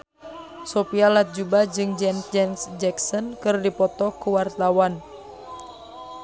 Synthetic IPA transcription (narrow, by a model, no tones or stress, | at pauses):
sopialat̪̚d͡ʒubad͡ʒɨŋd͡ʒɛnsd͡ʒɛnsd͡ʒɛksɔnkɨrdipɔt̪ɔkuwart̪awan